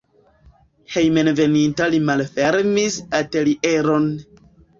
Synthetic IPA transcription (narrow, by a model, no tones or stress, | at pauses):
hejmenve̞nintalimalfeɾmisateliʔeɾon